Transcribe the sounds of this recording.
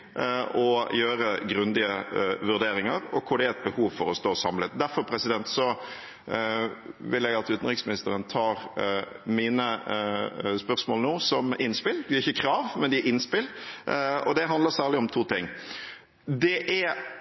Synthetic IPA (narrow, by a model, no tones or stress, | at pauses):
ɔjøːɾəɡɾʉnd̪ɪəʋʉɾd̪eːɾɪŋəɾɔ̰kʰʊɖɛæɛt̪̚bəhuːʋfɔɾɔst̪oːsɑmlət̪d̪æɾfɔɾpʰɾɛsɪd̪ɛnt̪sɔ | ʋɪlɛɡɑt̪ʉt̪n̩ʁɪksmɪnɪst̪əɾənt̪ʰɑːɾ | miːnə | spœʁsmoːlnuːsɔmɪnspɪld̪ɪæɾɪçːəkʰɾɑːʋmɛnd̪ɪɪnspɪl | ɔd̪ɛɦɑnd̪ləsæːʁlɪɔmt̪ʰuːt̪ʰɪŋː | d̪ɛʔæ